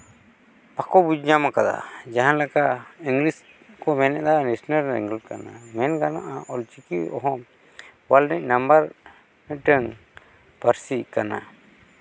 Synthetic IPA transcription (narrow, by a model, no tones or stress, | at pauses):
pakɔbud͡ʒɲamakad̪a̰d͡ʒaɦanlakaiŋɡlis | kɔmɛnɛʔd̪anɛsnəɾɾḭŋɡɛkana̰mɛnkanaʔaʔɔlt͡ʃikiɔɦɔ̃ | walnɛc̚nambaɾ | mɛʈəŋ | pəɾsikana̰